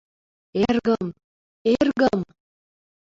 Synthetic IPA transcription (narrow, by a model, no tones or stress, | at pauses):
erɣəm | erɣəm